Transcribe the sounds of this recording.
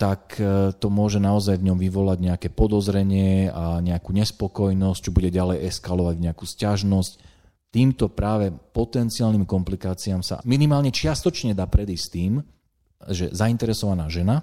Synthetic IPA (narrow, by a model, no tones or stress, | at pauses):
t̪akt̪ɔmʊɔʒɛnaɔzajvɲɔmʋiʋɔlaɟɲɛakɛːpɔd̪ɔzɾɛɲɪɛaɲɛakuːɲɛspɔkɔjnɔsct͡ʃɛbuɟɛɟalɛjɛskalɔʋaɟɲɛakuːscaʒnɔsc | t̪iːmt̪ɔpɾaːʋɛpɔt̪ɛnt͡siaːlniːmkɔmplikaːt͡siamsa̰minimaːlɲɛt͡ʃɪast̪ɔt͡ʃɲɛd̪aːpɾɛd̪iːst̪iːm | ʒɛ̰zaint̪ɛɾɛsɔʋanaːʒɛna